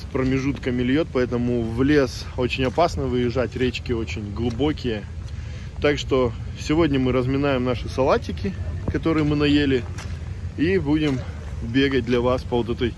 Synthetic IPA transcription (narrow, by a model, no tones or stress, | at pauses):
spɾəmʲɪʐut̪kəmʲɪlʲjo̞t̪̚pɐɛt̪əmʊvlʲe̞s | o̞t͡ɕɪnʲɐpasnəvɨjɪʐatʲɾʲet͡ɕkʲɪo̞t͡ɕɪnʲɡlˠʊbo̞kʲɪjə | t̪akʂt̪o̞sʲɪvo̞dʲnʲəmɨɾəzmʲɪnajɪmnaʂɨsɐlˠatʲɪkʲɪkɐt̪o̞ɾɨjəmɨnɐjelʲɪ | ibudʲɪm | bʲe̞ɡət̚ʲd̪lʲɐvaspəvot̪̬ɛt̪əj